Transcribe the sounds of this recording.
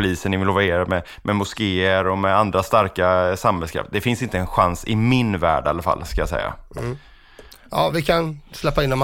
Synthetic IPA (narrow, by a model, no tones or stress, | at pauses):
ʊliːsənːɪvɪloːvaeːɾamɛ | mʔɛmʊskeːəɾɔmɛand̪ɾast̪aɾkasamhɛlskʰɾa̰ft̪̚d̪ɛfɪnsɪnt̪əɛnɧansɪmɪnvæ̰ːɖa̰lːafa̰lːskajasɛ̰jːa̰ | ɑːvɪkʰanslɛpːaɪnːɔm